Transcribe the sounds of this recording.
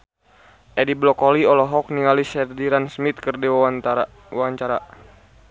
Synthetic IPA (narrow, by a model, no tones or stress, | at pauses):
ʔɛdiblɔkɔliɔlɔɦɔk̚niŋalisɛrdiɾansmit̪̚kɨrdiw | wawaɲt͡ʃaɾa